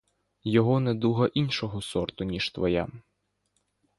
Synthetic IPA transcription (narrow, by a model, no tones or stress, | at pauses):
jɔɦɔnɛd̪uɦɐʔinʃɔɦɔsɔrt̪ʊnʲiʒ̥t̪ʋɔja̰